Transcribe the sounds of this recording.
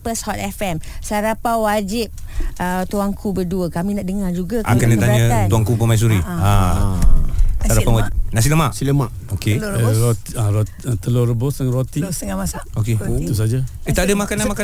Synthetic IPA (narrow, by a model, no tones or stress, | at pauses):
pəshɔt̪̚ɛfɛmsaɾapawad͡ʒip̚ | ət̪uaŋkʰubərduəkamĩnaʔdəŋad͡ʒuɡaa̰kandət̪aɲə̃t̪uaŋkupəmais̬uɾia | saɾapawanas̬iləmaʔilmaʔ | okeɾot̪aɾo | t̪əloɾəbosəŋrot̪iəamasaoket̪us̬ad͡ʒaet̪adəmakanamaka